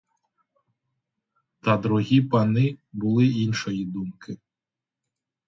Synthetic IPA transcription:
t̪ɐd̪ɾuɦʲipɐnɪbʊlˠɪinʃɔjid̪umkɪ

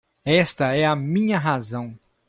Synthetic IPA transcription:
ɛst̪ɐɛɐmĩɲɐɦazɐ̃w̃

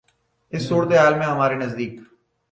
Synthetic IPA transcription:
ɪsːuːɽt̪eːɦaːlmẽɦəmaːɾeːnəzd̪iːk

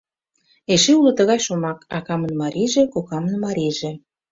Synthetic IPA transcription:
eʃeulɤ̆t̪əɣɑjʃomɑkɑkɑmə̆nmɑɾiʒĕkokɑmə̆nmɑɾʲiʒĕ

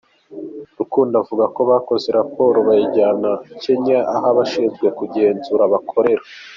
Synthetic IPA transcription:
ɾukuːndavuɡako̞βaːko̞ze̞ɾapo̞ːɾoβajiɟaːnace̞ɲaʔaɦaβaʃiːzɡe̞kuɟe̞ːnzuɾaβakʰo̞ɾe̞ɾa

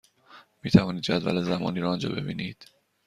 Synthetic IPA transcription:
miːt̪ʰævɒːniːd̪̚d͡ʒæd̪væ̰lezæmɒ̰ːniːɾɒːnd͡ʒɒ̰ːbe̞̰bḭːniːd̪̥

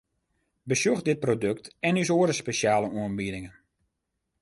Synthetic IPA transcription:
bəsjuxdɪt̚prodøk̚tɛnys̬oədəspeʃjaːləuənbidɪŋən

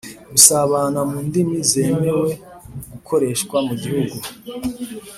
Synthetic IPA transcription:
ɡusaβanamuːndimize̞ːme̞we̞ | ɡukʰo̞ɾe̞ʃkwamuɟihuɡu

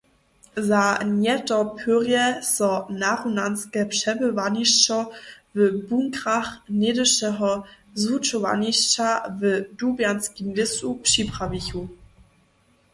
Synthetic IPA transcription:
zanjɛtɐpʰyʁjɛsɔnaʁunanskɛpʂɛbəvaniʃt͡ʃɐvəbuŋkʁaχneːdɪʃɛɦɔ | zut͡ʃova̰niʃt͡ʃavədubjanskimlɪsupʃipʁ̥aviçu

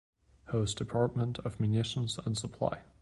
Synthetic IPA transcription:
hoʊsd̥ɨpʰɑɹt̚mə̃ntʰʌvmjʉnɪʃn̩zə̃nsəpʰl̥ˠa̰ɪ

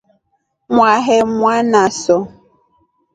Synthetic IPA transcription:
mʷaɦemʷanasɔ

